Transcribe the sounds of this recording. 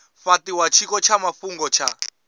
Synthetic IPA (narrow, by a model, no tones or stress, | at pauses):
ɸatiwat͡ʃʰikɔt͡ʃʰamafuŋɡɔt͡ʃʰa